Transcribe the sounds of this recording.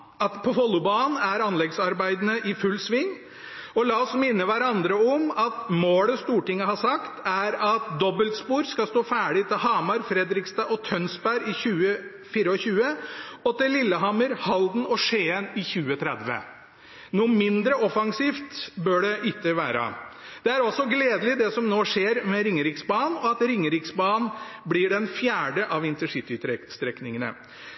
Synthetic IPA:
ɑt̪pʰɔɦɔlːʊbɑːn̩æɾɑnlɛɡsɑɾbæɪd̪ənəʔɪfʉlːsʋɪŋː | ɔlɑːɔsmɪnːəʋæɾɑnd̪ɾəɔmɑt̪moːləst̪uːʈɪŋːəhɑsɑkt̪æɾɑt̪d̪ɔbəlt̪spuːɾskɑst̪oːfæːɖɪt̪ʰɪlɦɑːmɑɾfɾɛd̪ɾɪkst̪ɑʔɔt̪ʰœnsbæɾɪçʉːə | fiːɾəɔçʉːəɔt̪ɪlɪlːəɦɑməɾhɑld̪n̩ɔʂeːənɪçʉːət̪ʰɾɛd̪ʋə̰ | nuːmɪnd̪ɾəɔfɑŋsiːft̪bœɖɛʔɪt̪ːəʋæːɾə̰ | d̪̥ɛæɾɔsɔɡleːd̪əlɪd̪ɛsɔmnoːʂeːɾmɛɾɪŋːəɾɪksbɑːnɔɑt̪ɾɪŋːəɾɪksbɑːnblɪɖɛnfjæːɖəʔɑʋɪnt̪əʂɪt̪ʏst̪ɾɛknɪŋənə̰

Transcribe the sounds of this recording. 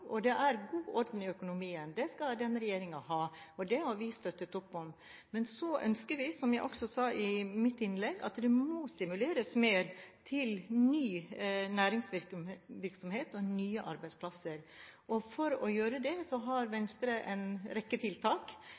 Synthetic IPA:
ʔɔd̪ɛʔæɾɡuːʔɔɾd̪n̩ɪœkʊnʊmiːənd̪ɛskɑd̪ɛnːɾɛjeːɾɪŋɑhɑːɔd̪ɛhɑɾʋɪst̪œt̪ːət̪ɔpːɔm | mɛnsɔʔœ̰nskəɾʋɪsɔmjæɪʔɔksɔsɑːʔɪmɪt̪ːɪnlɛɡɑ̰t̪d̪ɛmɔst̪ɪmʉleːɾəsmeːɾt̪ʰɪlnyːnæːɾɪŋsʋɪɾkʋɪɾksɔmheːt̪ɔnyːəʔɑɾbæɪspʰlɑsəɾʔɔfɔɾɔjøːɾəd̪ɛsɔɦɑɾʋɛnst̪ɾəʔɛ̰nɾɛkːət̪ʰɪlt̪ʰɑːk

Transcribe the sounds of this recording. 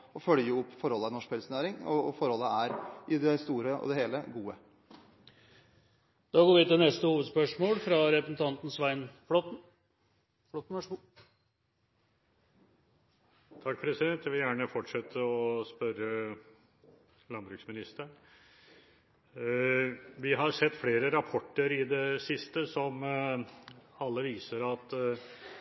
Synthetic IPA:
ɔfœljəʊpːfɔɾhɔlːənɔʂk̚pʰɛləsənæːɾɪŋɔfɔɾhɔlːəæɾɪd̪ɛst̪uːɾəʔɔ̰d̪ɛheːləɡuːə | d̪̥ɑːɡoːʋɪt̪ɪnɛst̪əhuːʋəd̪spœʂmoːlfɾɑɾɛpɾəsn̩t̪ʰɑnt̪n̩sʋæɪnflɔt̪n̩ | fɔt̪n̩ʋæʂ | t̪ʰɑk̚ːpʰɾɛsɪd̪ɛnt̪jæʋɪljæːɳəfɔʈʂɛt̪ʰːəɔspœɾə | lɑnbɾʉksmɪnɪst̪əɳ | ʋɪɦɑɾsɛt̪ːfleːɾəɾɑpʰɔʈːəɾɪd̪ɛsɪst̪əsɔm | ɑlːəʋiːsəɾɑt̪

